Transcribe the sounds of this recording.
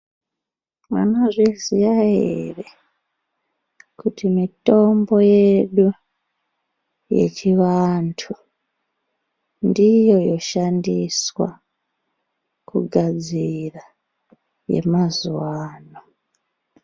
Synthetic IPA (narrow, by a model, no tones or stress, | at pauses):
ma̰noʐizijaḛre | kutimito̞mbo̞je̞ɗu | je̞̰t͡ʃiʋantʰu | ndijo̞jo̞ʃandiswa̰ | kuɡʱad͡zira | je̞̰mazuwaːno